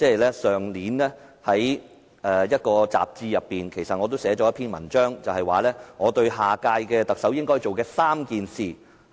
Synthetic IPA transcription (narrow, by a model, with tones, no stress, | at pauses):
t͡sɛː˥˨jlɛː˥sœː˨ŋliː˨˥nɛː˥hɐ˨˥j | ʔɛː˨˩jɐ˥t̚kɔː˧t͡sa̰ː˨p̚t͡siː˧jɐ˨pːiː˨nkʰe˨˩jsɐ˨t̚ŋɔː˨˧t̪o˥wsɛː˨˥t͡ʃɔː˨˥ɐ˥pʰiː˥nmɐ̰˨˩nt͡ʃœː˥ŋt͡sɐ˨whɐ˨jwaː˨lɛː˥ŋɔː˨˧t̪ɵ˧ɥɦaː˨kaː˧jkɛː˧t̪ɐ˨k̚sɐ˨˥wjɪ˥ŋkɔː˥jt͡so˨wkɛː˧saː˥mkiː˨nsiː˨